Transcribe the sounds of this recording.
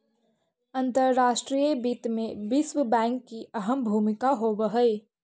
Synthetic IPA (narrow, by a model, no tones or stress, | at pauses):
ɐ̃nt̪əɾːaːʃʈɾiːjebiːt̪mẽbɪswəbɛ̃ːŋkːiɐɦəmbʱuːmɪkaɦoːʋəɦəi